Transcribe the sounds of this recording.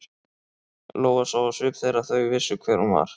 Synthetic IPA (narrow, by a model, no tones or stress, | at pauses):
loːwɣasawasʏːpθejɾaθœɥvɪsːʏkʰvɛːɾ̥hunva̰ɾ̥